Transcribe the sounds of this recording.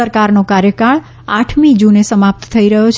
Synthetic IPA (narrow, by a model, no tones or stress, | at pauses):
əɾkaɾnokaɾjəkaɭ | aʈʰmid͡ʒunesəmap̚t̪t̪ʰəiɾəɦjot͡ʃʰ